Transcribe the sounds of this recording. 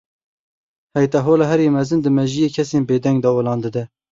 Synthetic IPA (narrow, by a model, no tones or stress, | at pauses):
hɛjt̪ɛɦoːlɑɦɛɾjemɛzɨnd̪ɨmɛʒijeːkʰɛseːnbeːd̪ɛŋɡd̪ɑolɑːnd̪ɨd̪ɛ